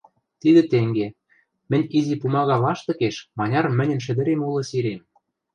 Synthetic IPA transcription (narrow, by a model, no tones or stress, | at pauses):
t̪id̪ĕt̪eŋɡe | mɘ̆nʲizipumɑɣɑlɑʃt̪ɤ̆keʃmɑnʲɑrmɘ̆nʲɘ̆nʃ̬ɘ̆d̪ɘ̆ɾemulɤ̆siɾem